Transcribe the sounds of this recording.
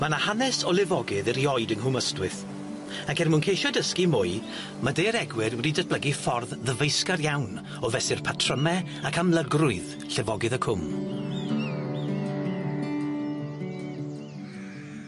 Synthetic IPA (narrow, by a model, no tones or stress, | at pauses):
manahanɛsɔlˠɪvɔɡɪðəɾiɔɨdəŋɦʊməstwɨθ | akɛrmuːnkʰejʃɔdəskimʊɨ | madeɾɛɡwɪrwriːdətblˠəɡifɔrððəvejskarjawn | ɔvɛsɪrpʰatʰrəmɛ | akʰamlˠəɡrʊɨð | ɬɛvɔɡɨðəkʰʊm